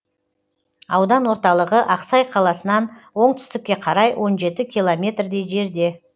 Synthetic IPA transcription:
ɑwd̪ɑnwo̞ɾt̪ɑlˠəʁəʔɑqsɑjqʰɑlˠɑsənɑnwo̞ɴt̪ʏ̥st̪ɪkʲːe̞qʰɑɾɑjwʔo̞nʒe̞t̪ɪkʲʰijlˠomʲe̞t̪rd̪e̞jʒe̞ɾd̪e̞

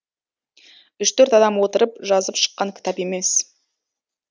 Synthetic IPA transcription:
ʏʃt̪ʰɵɾt̪ɑd̪ɑmwo̞t̪əɾəpʒɑzəpʃə̥qːɑŋkʲʰɪ̥t̪ɑpe̞me̞s

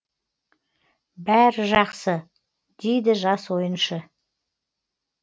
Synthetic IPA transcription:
bæɾɪʒɑqsə | d̪̥ejd̪ɪʒɑswo̞jənʃə

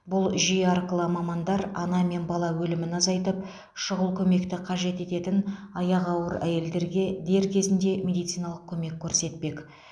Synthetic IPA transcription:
bʊlˠʒijeɑɾkəlˠɑmɑmɑnd̪ɑɾɑnɑme̞nbɑlˠɑwɵlɪmɪnɑzɑjt̪əp̚ | ʃʊʁəlˠkʲʰɵme̞kt̪ɪqʰɑʒe̞t̪e̞t̪e̞t̪ɪnɑjɑqɑwəɾæ̰je̞ld̪e̞ɾɡʲe̞d̪e̞ɾkʲʰe̞zɪnd̪e̞mʲe̞d̪ijt̪sɨjnɑlˠəq̚kʲʰɵme̞kʲʰːɵɾse̞t̪pe̞k

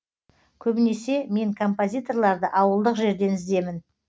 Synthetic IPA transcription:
kʲʰɵbɪne̞se̞me̞ŋkʰo̞mpozʲijt̪o̞rlˠɑɾd̪əʔɑwəlˠd̪əqʒe̞ɾd̪e̞nɪzd̪e̞mɪn

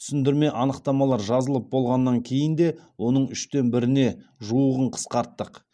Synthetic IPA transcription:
t̪ʰʏsɪnd̪ɪɾme̞ʔɑnəqt̪ɑmɑlˠɑɾʒɑzəlˠəp̚bo̞lˠʁɑnːɑŋkʲʰe̞jɪnd̪e̞wo̞nəɴʏʃt̪e̞nbɪɾɪne̞ʒuəʁəɴqʰə̥sqɑɾt̪ːəq

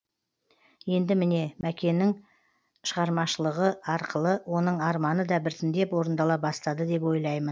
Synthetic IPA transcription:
je̞nd̪ɪmɪne̞mækʲe̞nɪŋ | ʃəʁɑɾmɑʃəlˠəʁəɑɾqʰəlˠəwo̞nəɴɑɾmɑnəd̪ɑbɪɾt̪ɪnd̪e̞pwo̞ɾənd̪ɑlˠɑbɑst̪ɑd̪əd̪e̞p̬wo̞jlˠɑjmən

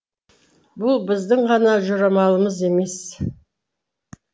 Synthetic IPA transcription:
bʊlˠbɪzd̪ɪɴʁɑnɑʒʊɾɑmɑlˠəməze̞me̞s

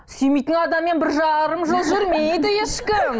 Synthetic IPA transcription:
syjmejt̪ɪnɑd̪ɑmːe̞nbɪɾʒɑɾəmʒəlˠʒʏɾmejd̪ɪjeʃkʲɪ

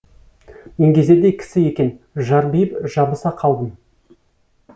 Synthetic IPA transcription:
meŋɡʲe̞ze̞d̪e̞jkʲʰɪ̥sɪje̞kʲe̞n | ʒɑɾbijəpʒɑbəsɑqʰɑlˠd̪əm

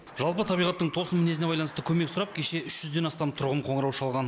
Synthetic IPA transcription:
ʒ̥ɑlˠpət̪ʰɑbijʁɑt̪ːəɴt̪ʰo̞sənmɪnesne̞bɑjlɑnəst̪əkʲʰɵme̞ksʊɾɑp̚kʲʰe̞ʃe̞ʏʃʒ̥ʏzd̪e̞nɑst̪ɑmt̪ʰʊɾʁəɴqʰo̞ɴəɾɑwʃɑlˠʁɑn

